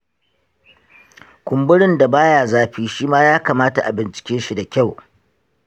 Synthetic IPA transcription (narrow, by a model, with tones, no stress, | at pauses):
kʷʊ˨mbʊ˦ɽɪ˦nda˨baː˦jaː˨zaː˦ɸiː˦ʃiː˦maː˦jaː˦kaː˨maː˦ta̰˨ʔa̰˨bɪ˨nt͡ʃɪ̥˨kʲeː˦ʃi˦da˨kʲa˦˨w